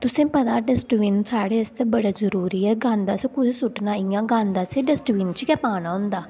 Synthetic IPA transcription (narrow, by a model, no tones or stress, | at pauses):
t̪ʊsẽːpət̪aːɖəsʈʋiːnsaːɽeːɪst̪eːbəɽaːzəɾuːɾiːɛːɡãːnd̪aːsekʊd͡ʒsʊʈnãːijãːɡãːnd̪aːseːɖəsʈʋiːnt͡ʃkɛːpaːnaːʊ̃nd̪aː